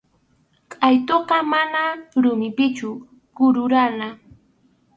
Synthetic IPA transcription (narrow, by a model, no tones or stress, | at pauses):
kʼajt̪oɢɑmanaɾʊmɪpɪt͡ʃʊ | ɢ̥ʊɾʊɾana